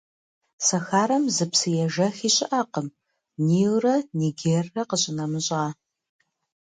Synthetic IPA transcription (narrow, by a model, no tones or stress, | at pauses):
sɐxaːɾɐmzɨpsɨjɛʒɐxiːɕʼɪʔaːqəm | niːwrɐniɡeːrːɐqəɕʼɪnɐmɨɕʼʁaː